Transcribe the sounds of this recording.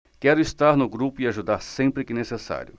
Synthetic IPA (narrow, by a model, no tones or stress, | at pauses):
kɛɾʊist̪aɾnʊɡɾupʊɪaʒud̪aɾsẽmpɾɪkɪnesesa̰ɾjʊ